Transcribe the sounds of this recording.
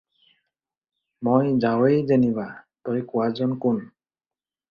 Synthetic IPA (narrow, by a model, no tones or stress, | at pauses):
mojzawejzenibatɔjkʊwazɔnkʊn